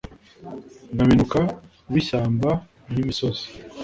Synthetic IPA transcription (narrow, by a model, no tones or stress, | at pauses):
ŋɡaminuka | wiʃaːmba | imisozi̥